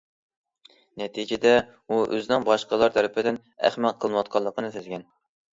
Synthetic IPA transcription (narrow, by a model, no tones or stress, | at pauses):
nɛt̪ʰid͡ʒɪd̪ɛ | uʔø̰zɪnɪŋbɑʃqɑlˠɑɾt̪ʰæɾɪpʰɪd̪ɪn | æ̰χmæt̪̚qʰəlˠnwɑt̪̚qʰɑlˠːəqʰənɨsyzɡʲɛn